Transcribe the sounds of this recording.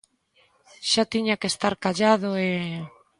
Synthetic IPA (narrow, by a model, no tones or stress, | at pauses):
ʃat̪iɲakest̪aɾkaʎað̞oe